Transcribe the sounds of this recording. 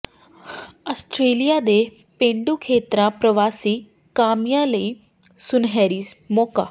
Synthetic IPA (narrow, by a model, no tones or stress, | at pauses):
əsʈɾeːlɪjaːd̪eː | pẽːɳɖuːkʰeːt̪ɾãːpɾəʋaːsiː | kaːmɪjãːləiː | sʊnɦɛːɾiːmɔːka̰ː